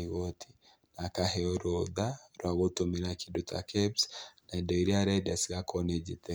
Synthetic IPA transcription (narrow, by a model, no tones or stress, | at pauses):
iɣɔtʰi̥ | nakaɦɛɔɾɔðaɾwaɣotominakidutʰa̰kʰɛbsnaidɔiɾiaɾadasiɣakʰɔned͡ʒitɛ